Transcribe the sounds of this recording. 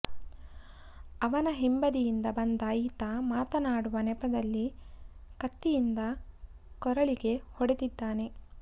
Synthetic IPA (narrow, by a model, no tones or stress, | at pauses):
ɐʋɐnɐɦimbɐd̪ijind̪ɐbɐnd̪aːjit̪ɐmaːt̪ɐnaːɽuʋɐnɛpɐd̪ɐlːi | kɐt̪ːijind̪ɐ | kɔɾɐɭiɡe̞hɔɽet̪id̪ːaːne̞